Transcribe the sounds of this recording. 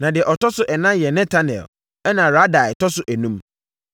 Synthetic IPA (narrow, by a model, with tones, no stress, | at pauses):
nã˨dɪ˨ɛ˨ʔɔ˨tɔ˦sʊ˦ʔɛ˨nã˦jɛ˨nɛ̃˦tʰa˦nɛ̰˨l | ɛ˦nã˨ɾa˦da˨ɪ˨tʰɔ˦sʊ˦ʔæ˨nũ˦m